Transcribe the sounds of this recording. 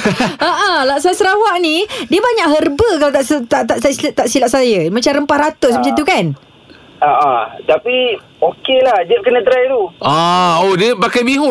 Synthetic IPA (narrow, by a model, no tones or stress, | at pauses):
əʔəlaʔsajsɾawaʔnidiəbaɲaʔɦərbəkalat̪aʔsət̪aʔt̪aʔsasilʔt̪aʔsilaʔsajəmat͡ʃamɾəmpahrat̪ʊsmat͡ʃant̪ukan | aʔat̪api | okelahd͡ʒəʔ̚kənə̃t̪ɾajt̪uʔaodiəbakajbiɦʊ